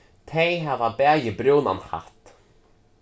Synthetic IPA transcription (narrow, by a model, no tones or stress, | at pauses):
t̪ʰeːjɦɛvabɛːjɪbɾjoːwna̰nha̰ht̪